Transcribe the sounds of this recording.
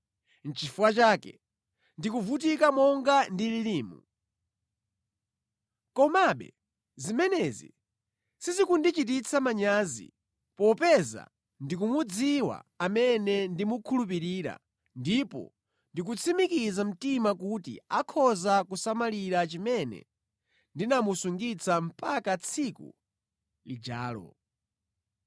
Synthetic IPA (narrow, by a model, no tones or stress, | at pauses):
n̩t͡ʃifuwat͡ʃaːkɛ̰ | ndikuvut̬ikamɔŋɡandililiːmṵ | kɔmaɓɛ̰ | zimɛnɛzḭ | sizikundit͡ʃit̬it͡sʰamaɲaːzḭ | pɔpɛza̰ | ndik̬umud͡ziwa̰amɛnɛndimukʰulup̬iɾiːɾa̰ | ndipɔ̰ | ndik̬ut͡sʰimikizam̩timakutḭakʰɔzakusamaliɾat͡ʃimɛnɛ̰ | ndinamusuŋɡit͡sʰam̩pakat͡sʰikṵ | lid͡ʒa̰ːlɔ̰